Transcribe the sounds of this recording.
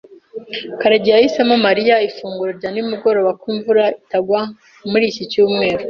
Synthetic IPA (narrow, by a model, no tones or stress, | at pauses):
kaɾaɟijajisamamaɾijaifuːŋɡuɾaɾɟanimuɡo̞ɾo̞ːβakwiːɱvuɾaitaɡwa | muɾiːcicuːmŋe̞ːɾo